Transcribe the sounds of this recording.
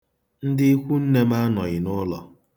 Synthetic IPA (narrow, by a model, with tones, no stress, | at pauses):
n̩˦dɪ˦i˦kʷu˦n̩˦ne˦m˦a˦nɔ˨ɣɪ˨nʊ˦lɔ˨